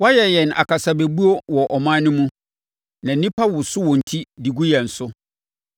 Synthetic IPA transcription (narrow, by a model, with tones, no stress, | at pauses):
wa˦jɛ˨jɛ˨na̰˨kʰa˨sa˨be˨bu˦o˦wɔ˨ʔɔ˨mã˦nʊ̃˦mũ˦ | nã˨˦nĩ˦pʰa˦wʊ˨sʊ˦wɔ̃˨n̩˨tʰi˦di˨ɡu˦jɛ˨n̩˨sʊ˦